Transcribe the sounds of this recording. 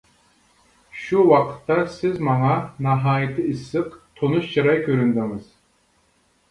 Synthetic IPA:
ʃuwɑqʰə̥t̪ːɑsɪzmɑŋɑnɑɦɑːjɪt̪ʰɨisːɨqt̪ʰonuʃt͡ʃʰɨɾɑjkʲʰøɾynd̪ɪŋɨz̥

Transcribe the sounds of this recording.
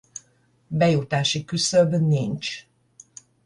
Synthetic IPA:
bɛjut̪aːʃikysøbnint͡ʃ

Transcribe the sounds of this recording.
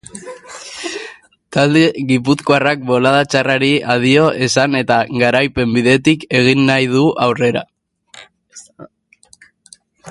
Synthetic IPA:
t̪ald̪e̞ɣip̬ut͡skoarak̚bo̞lað̞at͡ʃaraɾiaðio̞ʔe̞sane̞t̪aɣaɾajpe̞mbiðe̞t̪ike̞ɣinːajð̞uʔawre̞ɾa̰

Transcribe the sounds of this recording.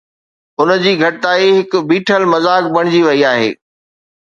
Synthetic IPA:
ʊnəd͡ʑiːɡʱɐʈɪt̪aːiɦɪkbiːʈʰəlmɐzaːk̚bɐɽ̃d͡ʑiʋɐiaːɦḛː

